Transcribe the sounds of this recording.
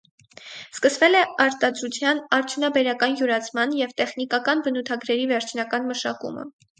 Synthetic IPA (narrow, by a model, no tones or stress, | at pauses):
skəsvɛlɛɑɾt̪ɑd̪ɾut͡sʰjɑnɑɾt̪ʰjunɑbɛɾɑkɑnjuɾɑt͡sʰmɑnjɛvt̪ɛχnikɑkɑnbənut̪ʰɑɡɾɛɾivɛɾt͡ʃʰnɑkɑnməʃɑkṵmə̰